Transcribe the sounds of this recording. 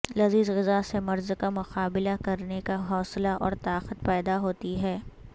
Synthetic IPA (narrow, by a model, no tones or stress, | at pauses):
lɐziːzɣɪzasemɐɾzkamʊqaːbɪlakɐɾnekaɦɔːslaʔɔ̰ːɾt̪aːqət̪̚pɛːd̪aɦoːt̪iɦɛː